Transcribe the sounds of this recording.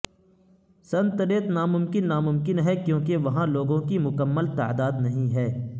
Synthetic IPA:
sɐ̃nt̪əɾeət̪naːmʊmkɪnːaːmʊmkɪnɦɛkjõːkeʋɐɦãloːɡõkimʊkəmːəlt̪a̰ːd̪aːd̪nɐɦĩɦɛː

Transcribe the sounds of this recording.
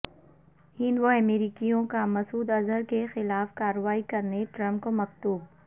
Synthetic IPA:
hɪ̃nd̪ʋoɐmeːɾiːkijõkamɐsuːd̪ɐzəɾkexɪlaːfkaːɾəʋaːikɐɾneʈɾɐ̃mp̚komɐqt̪uːb̚

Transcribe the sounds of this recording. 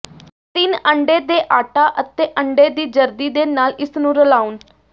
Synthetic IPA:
t̪ɪnəɳɖeːd̪eːʔaːʈaːʔət̪eːʔəɳɖeːd̪iːd͡ʒəɾd̪iːd̪eːnaːlɪsnũːɾəlaːʊn

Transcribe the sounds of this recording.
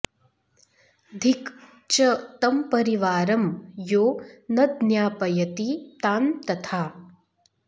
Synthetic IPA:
d̪ʱik | t͡ʃɐt̪ɐmpɐɾiʋaːɾɐmjoːnɐd̪njaːpɐjɐt̪it̪aːnt̪ɐt̪ʰaː

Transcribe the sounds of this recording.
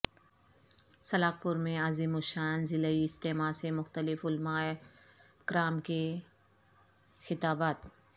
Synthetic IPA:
sɐlaːk̚pʊɾmẽazimʊʃaːnzɪləiɪst̪eːmaːsemʊxt̪əlɪfʊlmaː | kɾaːmke | xɪt̪aːbaːt̪

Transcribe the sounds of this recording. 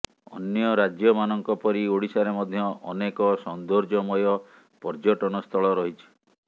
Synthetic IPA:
ɔ̰njɔɾad͡ʒjɔmanɔŋkɔpɔɾioɽisaɾemɔd̪ʱjɔʔɔnekɔsɔnd̪oɾd͡ʒɔmɔjɔ | pɔɾd͡ʒɔʈɔnɔst̪ʰɔɭɔɾɔɦit͡ʃʰi̥

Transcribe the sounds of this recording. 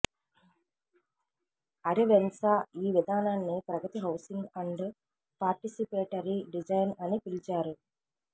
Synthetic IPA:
ɐɾiʋensaːiːʋid̪ʱaːnaːnːipɾɐɡɐt̪iɦɐwsiŋɡɐɳɖ | paːɾʈisipeːʈɐɾiɖid͡ʒɐjnɐnipilit͡ʃaːɾu

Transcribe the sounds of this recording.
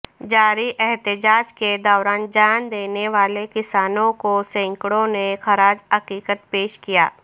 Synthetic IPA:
d͡ʒaːɾiʔɛɦt̪ɪd͡ʒaːd͡ʒked̪ɔːɾaːnd͡ʒaːnd̪eːneʋaːlekɪsaːnõkosɛ̃ːŋkɽõnexɐɾaːd͡ʒɐkiːkət̪̚peːʃkija̰ː

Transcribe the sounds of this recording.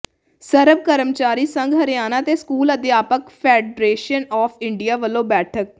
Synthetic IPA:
səɾəb̚kəɾəmt͡ʃaːɾiːsə̃ŋɡɦəɾɪjaːnãːt̪eːskuːləd̪ɪjaːpəkpʰɛːɖɾeːʃənɔːpʰɪɳɖɪjaːʋəlːoːbɛːʈʰək̚

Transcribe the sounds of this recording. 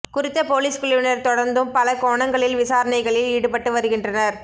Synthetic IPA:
kʊɾɪt̪ːɐpoːliːskʊɭɪʋɪnɐɾt̪ɔɽɐɾnd̪ɯmpɐlɐkoːɳɐŋɡɐɭɪlʋɪsaːɾɐnɐɪɣɐɭɪliːɽɯpɐʈːɯʋɐɾɯɣɪndrɐnɐɾ

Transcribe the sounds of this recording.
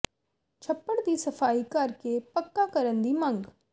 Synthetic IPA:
t͡ʃʰɐpːəɽd̪isɐfaːikəɾkepəkːakɐɾə̃nd̪imɐ̃ŋɡ

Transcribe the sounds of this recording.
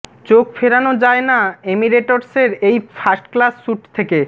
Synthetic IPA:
t͡ɕokfeɾanod͡ʑaenaemiɾeʈoɾseɾejfʰasʈklasːuʈt̪ʰeke

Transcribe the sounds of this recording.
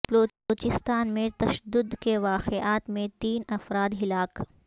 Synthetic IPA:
bloː | oːt͡ʃɪst̪aːnmẽt̪ɐʃəd̪ːʊd̪keʋaːqeaːt̪mẽt̪iːnɐfɾaːd̪ɦɪlaːk

